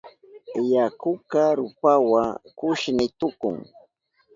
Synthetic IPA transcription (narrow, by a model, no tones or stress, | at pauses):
jakʊkaɾʊpawakʊʃnɪt̪ʊkʊ̰ŋ